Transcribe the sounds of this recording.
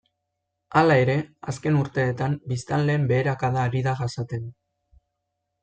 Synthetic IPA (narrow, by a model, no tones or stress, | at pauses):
alae̞ɾe̞aske̞nuɾt̪e̞ːt̪ambist̪anle̞ːmbe̞ːɾakaðaːɾiðaʝasat̪e̞n